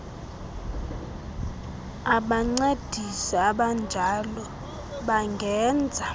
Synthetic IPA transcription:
aɓaŋ͡ǀed̥ʱisɔaɓand͡ʒʱalɔ | ɓaŋɡʱɛːnd͡zʱa

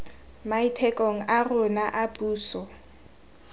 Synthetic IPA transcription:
maitʰɛkʼoŋ̩ʔarʊnaʔapuːsɔ

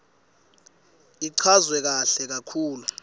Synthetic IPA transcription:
iǀʰazwɛk̬aɬɛk̬akʰuːlu

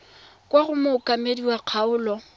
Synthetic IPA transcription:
kʼwaɣʊmɔʊkʼamediwaq͡χʰaʊːlɔ

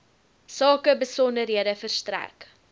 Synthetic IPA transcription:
sɑːkəbəsɔndərɦiədəfərstræ̰k

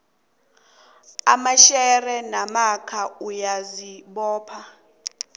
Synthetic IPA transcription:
amaʃɛrɛnamakʰaujaziɓɔːpʰa

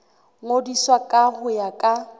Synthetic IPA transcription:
ŋodiswakʼaɣʊjakʼa

